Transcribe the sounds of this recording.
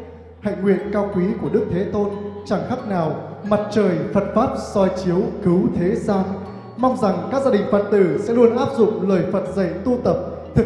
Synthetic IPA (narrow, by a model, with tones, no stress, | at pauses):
ha̰ː˧˨jŋwḭ˧˨ənkaː˧wkwi˨˦ku˧˩əɗɨ˦˥k̚t̪ʰe˨˦t̪o˧nt͡ɕaː˧˩ŋxa˦˥k̚naː˨˩wma˨˩t̚t͡ɕəː˨˩jfə˨˩t̚faː˦˥p̚sɔ˧jt͡ɕi˨˦əwkɨ˨˦wt̪ʰe˨˦zaː˧n | ma˧wŋ͡mza˨˩ŋkaː˦˥k̚zaː˧ɗï˨˩ŋ̟fə˨˩t̚t̪ɨ˧˩sɛ̰˧˥lu˧ənʔaː˦˥p̚zʊ̰˧˨ŋ͡mləː˨˩jfə˨˩t̚zə̰˧˨jt̪u˧t̪ə˨˩p̚ | t̪ɨ˨˩